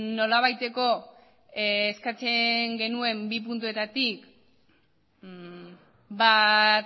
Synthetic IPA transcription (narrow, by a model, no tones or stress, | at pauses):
no̞laβ̞ajt̪e̞ko̞ | skat͡seŋɡe̞nue̞mbip̬unt̪̬ue̞t̪at̪ik | bat